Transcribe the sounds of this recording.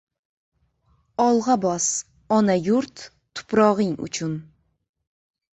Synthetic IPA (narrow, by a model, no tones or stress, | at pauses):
ɒlˠʁɑbɒs | ɒnajʊɾt̪ʰː | ʊ̥pɾɒʁɪŋʊ̰t͡ʃʰʊn